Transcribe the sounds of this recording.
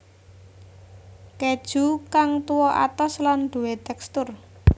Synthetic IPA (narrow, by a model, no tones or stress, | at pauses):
ked̥ʒ̥ṳkaŋt̪uwɔʔa̰t̪ɔslanɖ̪̥ṳwet̪ɛkst̪ʊr